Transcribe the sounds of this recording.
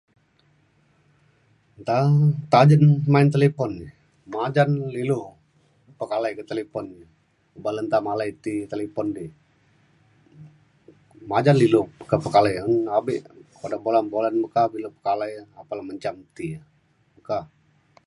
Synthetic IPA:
nt̪at̪ad͡ʒənmaɪnt̪elepɔnːi | mad͡ʒanlilu | pəkalajkət̪elepɔni | ubalənt̪amalait̪it̪elepɔndi | mad͡ʒanlilukəpəkalajənabiʔpadabolanbolanməkabiləpəkalajapalahməɲt͡ʃamt̪ia | məka

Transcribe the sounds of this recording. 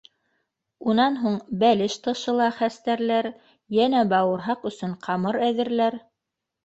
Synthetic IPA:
unɑnɦuɴbælɘʃt̪ɤ̆ʃɤ̆lˠɑχæst̪æɾlæɾ | jænæbɑwɤ̆ɾɦɑqɵ̆sɵɴqʰɑmɤɾæðɘ̆ɾlæɾ

